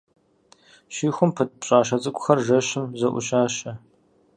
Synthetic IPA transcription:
ɕiːxʷʊmpʰɨt̚pɕʼaːʃ̬ɐt͡sʼɨkʷʼʊxɐrʒɐɕɪmzɐʔʷʊ̰ɕaːɕɐ

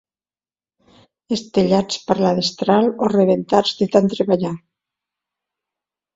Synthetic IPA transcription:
est̪eʎat͡spəɾlaðest̪ɾaloreβent̪ad͡zðet̪ant̪ɾeβaʎa

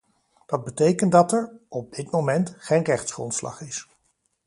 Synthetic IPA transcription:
d̥ɑd̚bətejkəndɑtɛɹɔb̚dɪtmowmɛntχejnrɛχtsχrɔ̰ntslɑ̰χɪs

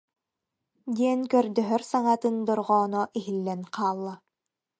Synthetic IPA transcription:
d̪iɛnkœɾd̪œɦœɾsaŋat̪ɯnd̪ɔɾʁɔːnɔʔiɦilːɛnqaːlˠːa

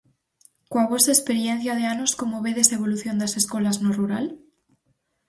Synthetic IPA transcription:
kwaβ̞osaespe̞ɾjẽn̟θjaðeanosko̞moβeðeseβ̞o̞luθjo̞nd̪ase̞sko̞laznoruɾal

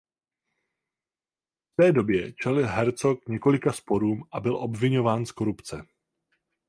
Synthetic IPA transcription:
ft̪ɛːdo̞bjɛt͡ʃɛlɪlɦɛɾt͡so̞kɲɛko̞lɪkaspo̞ɾuːmʔabɪlʔo̞bvɪɲo̞vaːnsko̞ɾupt͡sɛ

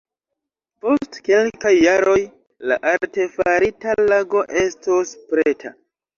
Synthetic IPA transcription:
po̞stke̞lkajːaɾo̞j | la̰ʔalte̞faɾitalaɡo̞ʔe̞stospɾe̞tʰa

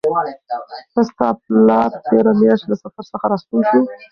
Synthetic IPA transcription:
həst̪ɑp̚lɑɾt̪eɾamjɑʂt̪lasafaɾsəxaɾɑst̪ulʃu

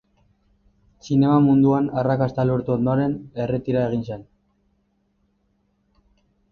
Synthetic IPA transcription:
sine̞mamund̪uanarakast̪aloɾt̪uo̞nd̪oaɾe̞ne̞re̞t̪iɾae̞ɣ̞inse̞n

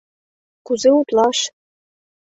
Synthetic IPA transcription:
kuzeut̪lɑʃ

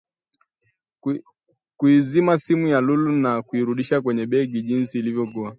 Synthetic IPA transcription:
kuizimasimujalulunakuiɾuɗiʃakwɛɲɛɓɛɡiʄinsiːlivjɔkua

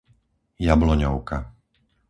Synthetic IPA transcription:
jablɔɲɔʊka

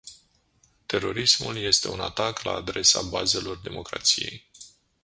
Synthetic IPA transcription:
t̪e̞ɾo̞ɾismṵlje̞st̪e̞unat̪akla̰ːd̪ɾe̞sabaze̞lo̞rd̪e̞mo̞kɾa̰t̪sije̞̰j

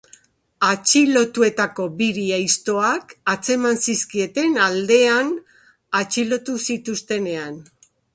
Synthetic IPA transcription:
at͡ʃilo̞t̪ue̞t̪ako̞biɾiajst̪o̞akat͡se̞mansiskie̞t̪e̞nald̪e̞an | at͡ʃilo̞t̪usit̪ust̪e̞ne̞an

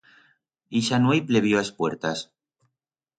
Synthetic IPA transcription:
iʃanwejpleβ̞joaspwe̞ɾt̪as

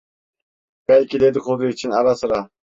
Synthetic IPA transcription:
b̥ælʲkʲid̪ed̪ɪχʰod̪ɨyt͡ʃʰinɑɾɑsɨɾɑ

